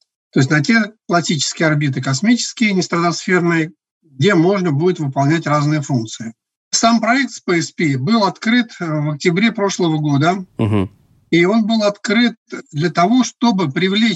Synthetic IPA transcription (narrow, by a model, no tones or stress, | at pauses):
t̪o̞ɪs̬ʲnɐt̬ʲe̞plˠɐsʲit͡ɕɪ̥skʲɪjəɐrbʲit̪̬ɨkɐsmʲit͡ɕɪ̥skʲɪjənʲɪst̪ɾət̪ɐsfʲe̞rnɨjə | ɡ̚dʲe̞mo̞ʐnəbudʲɪt̪vɨpɐlˠnʲætʲraznɨjəfunk̚t̪sɨɪ | sampɾɐɛk̚t̪spəɛspʲibɨlˠɐt̪kɾɨt̪vɐk̚tʲɪbɾʲe̞pɾo̞ʂlˠəvəɡo̞d̪əɦ̩ | io̞nbɨlˠɐt̪kɾɨt̪̚d̪lʲɐt̪ɐvo̞ʂt̪o̞bɨpɾʲɪvlʲe